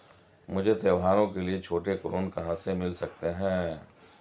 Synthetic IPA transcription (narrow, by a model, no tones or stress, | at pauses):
mʊd͡ʒʱet̪eːʋɦaːɾõkeliet͡ʃʰoːʈekɾoːnkɐɦãsemɪlsɐk̚t̪eɦɛ̃ː